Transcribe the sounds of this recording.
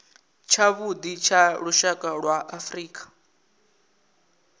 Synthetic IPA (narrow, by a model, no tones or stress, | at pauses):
t͡ʃʰaβud̪it͡ʃʰaɺuʃakʼaɺwaʔafriːkʼḁ